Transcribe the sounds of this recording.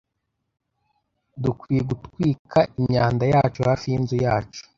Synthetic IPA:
dukwiːjeɡutkwiːkʰaʔiɲɲaːndajaːt͡ʃohaːfijinzujaːt͡ʃo̥

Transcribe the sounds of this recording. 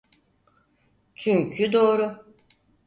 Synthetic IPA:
t͡ʃʰyɲcʰyd̪o̞ːɾʊ

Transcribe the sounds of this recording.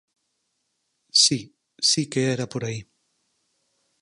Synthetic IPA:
si | sikeɛɾapoɾai

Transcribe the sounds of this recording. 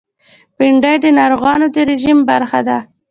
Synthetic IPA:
biɳɖajd̪ənɑɾoɣɑnod̪əɾɪʒimbaɾxad̪a

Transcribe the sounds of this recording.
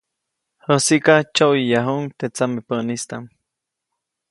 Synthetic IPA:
həsikat͡ʃoʔwijaɦuŋt̪et͡samipəʔnist̪aŋ

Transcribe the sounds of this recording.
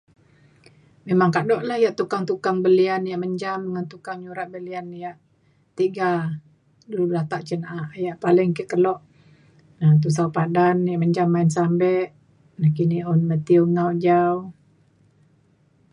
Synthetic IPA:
memaŋkadɔʔlahjaʔt̪ukaŋt̪ukaŋbəlianjaʔməɲd͡ʒamdəŋant̪ukaŋɲuɾaʔ̚bəlianːjaʔ | t̪iɡa | dulublat̪aʔt͡ʃənaʔaʔjaʔpalɪŋkəkəlɔʔ | nat̪̬us̬awpadanjaʔməɲd͡ʒamːainsambɛʔ | nahkiniʔɔnmət̪ioŋawd͡ʒaw

